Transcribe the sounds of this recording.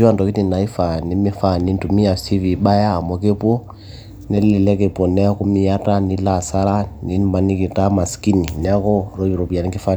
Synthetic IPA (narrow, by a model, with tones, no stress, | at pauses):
i˦a˦ndɔ˨ki˦ti˨na˨i˦fa˨ni˨˦mi˦fa˦˨ni˦ntu˨mi˦a˨si˦vi˨ɓa˦jaː˦˨mɔ˨ke˦pɔ˦ | nɛ˦lɛ˨lɛ˦ke˨pɔ˨nɛ˦ku˦mi˦ja˦ta˦ni˨˦la˨sa˦la˦ni˨˦n˦ma˨ni˦ki˨ta˦ma˨ski˦ni˨nɛ˨a˦kɔ˦ɾɔ˦i˨ɾɔ˨bi˨a˨nɛ˨ŋke˦fa˦